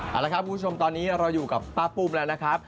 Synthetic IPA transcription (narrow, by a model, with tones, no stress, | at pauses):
ʔa˨˩la˦˥kʰa˦˥p̚kuː˧˦˥t͡ɕʰo˧mt̪ɔː˧nːiː˦˥ɾa˧wjuː˨˩ka˨˩pːaː˦˥puː˧mlɛː˦˥wna˦˥kʰa˦˥p̚